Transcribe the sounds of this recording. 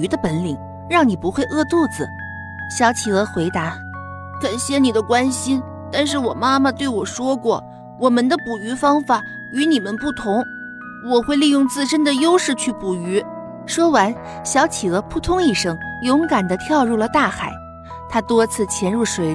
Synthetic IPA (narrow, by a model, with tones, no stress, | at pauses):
y˧˥d̪ə˧pə˧˥nli˨˩˦ŋ | ɻɑ˥˩ŋni˨˩pu˧˥xwe˥˧ɪʔɤ˥˧t̪u˥˩t͡sɹ̩˨˩ | ɕjɑ˧˥ʊt͡ɕʰi˨˩ɤ˧˥xwe˧˥ɪt̪a˧˥ | kə˨˩nɕjɛ˥nni˨˩d̪ə˦kwa˥nɕi˥n | t̪a˥˧nʂ̬ɻ̩˥˩wɔ˨˩ma˥ma˨t̪we˥˩ɪwɔ˨˩ʂwɔ˥kwɔ˥˩ | wɔ˨˩mə˧˦nd̪ə˧˨pu˨˩y˧˥fɑ˥ŋfa˨˩˦ | y˧˥ni˨˩mə˧˦npu˥˩t̪ʰʊ˧˥ŋ | wɔ˨˩xwe˥˧ɪli˥˧jʊ˥˧ŋt͡sɹ̩˥˧ʂə˥nd̪ə˨jo˥ʊʂɻ̩˥˧t͡ɕʰy˥˩pu˨˩y˧˥ | ʂwɔ˥wa˧˥n | ɕjɑ˧˥ʊt͡ɕʰi˨˩ɤ˧˥pʰu˥˩t̪ʰʊ˥ŋi˥˩ʂɤ˥ŋjʊ˧˥ŋka˨˩nd̪ə˦t̪ʰjɑ˥˧ʊɻu˥˩lə˩t̪a˥˩xa˨˩˦ɪ | t̪ʰa˥t̪wɔ˥t͡sʰɹ̩˥˩t͡ɕʰjɛ˧˥nɻu˥˩ʂwe˧˩ɪ